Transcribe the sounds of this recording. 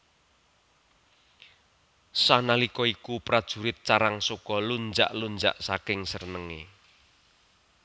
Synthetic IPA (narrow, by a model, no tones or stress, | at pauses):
sanalikɔikupɾad̥ʒ̥ṳɾɪt̪̚t͡ʃaɾaŋsokɔlund͡ʒa̰ʔlund͡ʒa̰ʔsakɪŋsərnəŋḛ